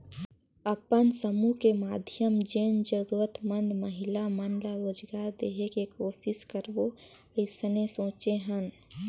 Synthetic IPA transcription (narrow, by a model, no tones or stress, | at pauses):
əpənsəmukemaːd̪ʱjəmd͡ʒeːnd͡ʒəɾuɾət̪mə̃nd̪məɦɪlamənlajoːd͡ʒɡaɾd̪eːɦekekoːʃɪskəɾbo | əɪsənesõːt͡ʃeɦə̃n